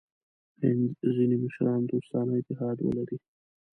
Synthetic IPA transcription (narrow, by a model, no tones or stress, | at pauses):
hɪnzzineməʃɾɑnd̪ost̪ɑnaɪt̪ɪɦɑd̪wə̰laɾi